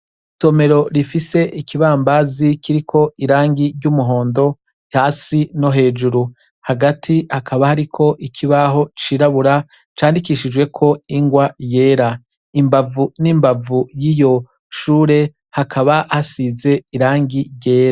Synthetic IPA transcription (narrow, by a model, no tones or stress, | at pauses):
so̞me̞ɾo̞ɾifise̞ʔikiβaːmbazikiɾikʰo̞iɾaːŋɡiɾɟuːmuɦo̞ːndo̞ | haːsino̞ɦe̞ːd͡ʒuɾu | haɡatʰihakʰaβahaɾikʰo̞ʔikʰiβaɦo̞t͡ʃiːɾaβuɾa | t͡ʃaːndikiʃid͡ʒwe̞kʰo̞iŋɡwaje̞ːɾa | imbavuniːmbavujijo̞ | ʃuːɾe̞ | hakʰaβahasize̞iɾaːŋɡiɾɟe̞ːɾa